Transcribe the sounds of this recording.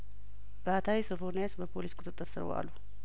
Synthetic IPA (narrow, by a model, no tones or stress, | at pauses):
b̥əat̪ʰawisəfonejasbəpʰo̞liskʷʼʊt̪ʼɨt̪ʼːɨɾsɨɾ̰wa̰lːu